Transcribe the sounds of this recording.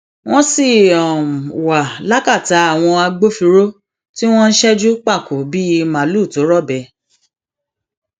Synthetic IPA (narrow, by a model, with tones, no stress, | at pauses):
w̃ɔ̃˦si˦˨ɔ˨wa˨la˦ka˦˨ta˨˦a˦˨w̃ɔ̃˧a˧ɡ͡bo˦fi˧ɾo˦ | ti˦w̃ɔ̃˦n̩˦ʃɛ˦d͡ʒu˦k͡pa˦˨ko˨bi˦i˧mã˨lu˦˨to˨˦ɾɔ˦˨bɛ˨˦